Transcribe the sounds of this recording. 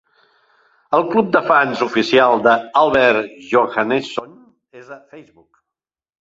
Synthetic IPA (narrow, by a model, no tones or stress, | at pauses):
əlˠklup̚d̪əfanzufisialˠd̪əalˠβɛɾʒoɣaneson | ezəfɛjzβuk